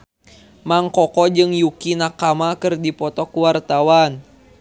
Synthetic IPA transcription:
maŋkɔkɔd͡ʒɨŋjukinakamakɨrdipɔt̪ɔkuwart̪awan

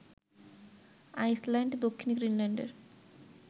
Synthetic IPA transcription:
ajslaɳɖd̪okʰːinɡɾiːnlaɳɖḛɾ

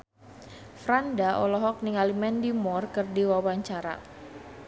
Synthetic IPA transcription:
fɾandaʔɔlɔɦɔk̚niŋalimɛndimɔrkɨrdiwawaɲt͡ʃaɾa̰

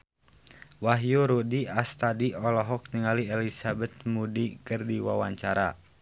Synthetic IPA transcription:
waɦjuɾudiʔast̪adiɔlɔɦɔk̚niŋaliɛlisabɛt̪̚mudikɨrdiwawaɲt͡ʃaɾa̰

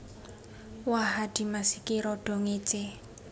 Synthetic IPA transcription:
waɦad̥i̤masikiɾɔɖ̥ɔ̤ŋet͡ʃe

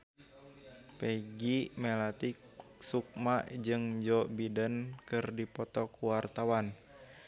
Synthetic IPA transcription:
peɡimɛlat̪i | suk̚maʔd͡ʒɨŋd͡ʒɔbidənkɨrdipɔt̪ɔkuwart̪awan

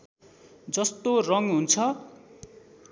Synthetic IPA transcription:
d͡zʌst̪orʌŋɦunt͡sʰʌ

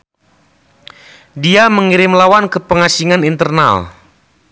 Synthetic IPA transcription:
diaməŋiɾɪmlawankəpəŋasiŋanint̪ərna̰l

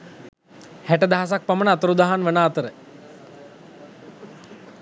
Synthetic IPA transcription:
hɛʈəd̪aɦas̬ak̚pəmənat̪əɾud̪aɦanʋənaːt̪əɾə

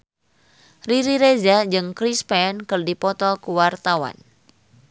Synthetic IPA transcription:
riɾiɾezad͡ʒɨŋkɾispɛnkɨrdipɔt̪ɔkuwart̪awa̰n

